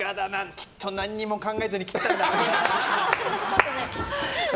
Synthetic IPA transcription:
ad̪anãŋkʲʰi̥t̪ʰːonãɲ̟ːimo̞kãŋɡaezɨɲikʲi̥t̪ad̪aea

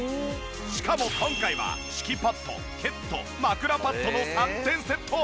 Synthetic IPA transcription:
ɕi̥kamo̞kʰõ̞ŋkaiβa̰ɕi̥kʲipat̪ʰːo̞̰ | kʰe̞t̪ʰːo̞̰makɯ̟ɾapat̪ːo̞no̞ãnt̪ẽ̞ɰ̃se̞t̪ʰːoː

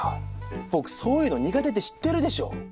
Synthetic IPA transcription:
bo̞kɯ̟̥so̞ːjɯ̟ːno̞ɲ̟iɡat̪e̞t̪e̞ɕi̥t̪ːe̞ɾɯ̟d̪e̞ɕo̞̰ː

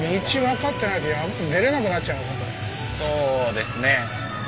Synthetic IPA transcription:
mʲit͡ɕiβakat̪ːe̞nait̪o̞jane̞ɾe̞nakɯnatːt͡ɕaɯβɦõnt̪o̰nʲi | soːd̪e̞sɨne

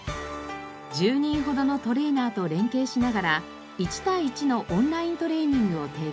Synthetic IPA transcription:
d͡ʑɨːɲ̟ĩɰ̃ɦo̞d̪o̞no̞t̪o̞ɾe̞ːnaːt̪o̞ɾẽ̞ŋke̞ːɕinaɡaɾa | it͡ɕi̥t̪ait͡ɕino̞ʔõnɾaĩnt̪o̞ɾe̞ːɲ̟ĩŋɡɯ̟ot̪e̞ː

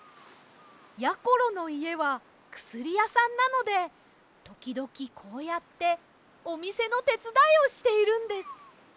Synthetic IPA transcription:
jako̞ɾo̞no̞ie̞βa | kɯ̟̥sɨɾʲijasãnːano̞d̪e̞ | t̪o̞kʲid̪o̞kʲikʰo̞ːjat̪ːe̞ | o̞mʲise̞no̞t̪e̞t͡sɨd̪aio̞ɕi̥t̪e̞iɾɯ̟̃nd̪e̞sɨ̥

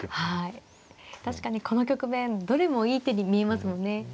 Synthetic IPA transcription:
hai | t̪aɕi̥kaɲ̟iko̞no̞kʲo̞kɯ̟mẽ̞nd̪o̞ɾe̞mo̞iːt̪eɲʲimʲie̞masɨmõ̞nːe̞

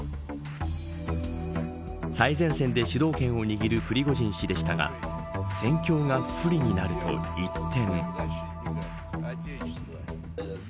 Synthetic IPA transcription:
saizẽ̞ɰ̃sẽ̞nd̪e̞ɕɨd̪o̞ːkẽ̞ɰ̃o̞ɲ̟iɡʲiɾɯ̟pɯ̟ɾʲiɡo̞ʑĩɰ̃ɕid̪e̞ɕi̥t̪aɡa̰sẽ̞ŋkʲo̞ːŋaɸɯ̟ɾʲiɲ̟inaɾɯ̟t̪o̰it̪ʰːẽ̞ŋ

